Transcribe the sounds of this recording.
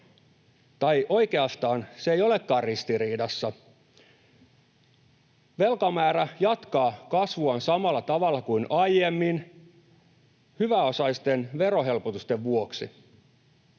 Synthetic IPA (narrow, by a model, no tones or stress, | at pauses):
t̪ɑiʔo̞ike̞ɑst̪ɑːnseeijo̞lekːɑːrrist̪iriːdɑsːɑ | ʋe̞lkɑmæːɾæjɑt̪kɑːkɑsʋuɑnsɑmɑlːɑt̪ɑʋɑlːɑkuinʔɑjemːin | hyʋæosɑist̪enʋe̞ɾo̞ɦe̞lpot̪ust̪eʋʋuoksi